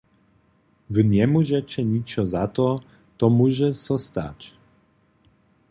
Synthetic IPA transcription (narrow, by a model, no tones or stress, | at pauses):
vənʲɛmuʒɛt͡ɕɛɲit͡ʃɔzat̪ɔ | t̪ɔmuʒɛsɔst̪a̰t͡ɕ